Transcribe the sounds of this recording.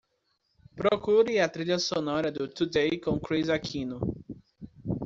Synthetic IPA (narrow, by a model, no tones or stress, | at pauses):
pɾokuɾiɐt̪ɾiʎɐsonɔɾɐd̪ʊt̪ud̪ejkõw̃kɾizakʰĩnʊ